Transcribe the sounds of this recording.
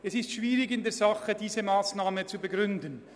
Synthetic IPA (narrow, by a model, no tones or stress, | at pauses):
ɛsɪstʃv̥iːɾɪɡɪndɛɾzɑχədiːzəmaːsnaːmət͡subɛɡɾʏndən